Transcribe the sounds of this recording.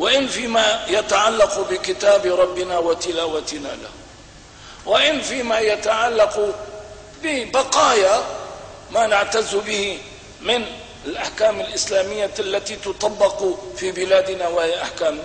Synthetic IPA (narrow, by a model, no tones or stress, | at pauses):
wɪʔɪnfiːmajat̪aʕalːɑqbɪkɪt̪aːbɾˤɑbːɪnawat̪ɪlaːwat̪ɪna̰la̰h | wɪʔɪnfiːmajat̪aʕalːɑq | bɪbɑqɑːja | maːnaʕt̪azːbɪhi | mɪn | ɪlʔaħkaːmɪlʔɪslaːmɪjːaʔalːat̪it̪ʊt̪ˤɑbːɪqfiːbɪlaːd̪ɪnawahɪjaʔaħkaːm